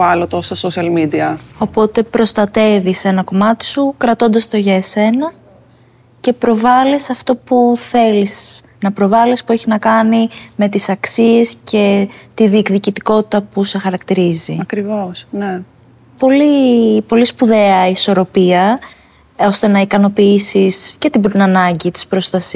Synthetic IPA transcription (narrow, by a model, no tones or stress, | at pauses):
ɐlot̪ost̪ɐsosiɐlmid̪iɐo̞po̞t̪e̞pɾo̞st̪ɐt̪e̞vise̞nɐko̞mɐt̪i̥sukɾɐt̪o̞nd̪ɐst̪oʝɐese̞nɐ | ce̞pɾo̞vɐlisɐft̪o̞puθe̞lis | nɐpɾo̞vɐlispueçiznɐkɐnime̞t̪isɐksie̞sce̞t̪iðikðicit̪iko̞t̪i̥t̪ɐpuse̞xɐɾɐkt̪iɾiziɐkɾivosne | po̞lipo̞lispuðe̞ɐiso̞ɾo̞piɐ | o̞st̪e̞nɐikɐno̞piisisce̞t̪ibnɐnɐɲɟit̪i̥spɾo̞st̪ɐs